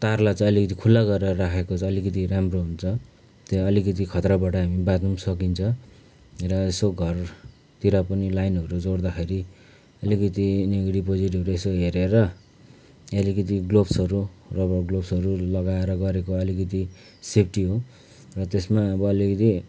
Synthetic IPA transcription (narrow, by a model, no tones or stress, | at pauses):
t̪arlat͡sʌ̃ʌlikʌt̪ikʰulːaɡʌɾeɾʌɾakʰekot͡sʰʌ̃ːlikʌt̪̬iɾamroɦunt͡sʰʌ | t̪eʌlikʌt̪̬ikʰʌt̪rʌbaʈʌɦamibat̪unsʌkint͡sʰʌ̃ | rʌesoɡʱʌr | t̪iɾapʌnilajnɦʌɾud͡zoɽd̪akʰeɾi | ʌlikʌt̪ineɡɽipod͡ziʈɦʌɾuesoɦeɾeɾʌ | ʌlikʌt̪iɡlobsʌɾurʌbʌɡlobsʌɾulʌɡaeɾʌɡʌɾekoʌlikʌt̪i | sep̚ʰʈiɦo | rʌt̪esmaʌbʌːlikʌt̪i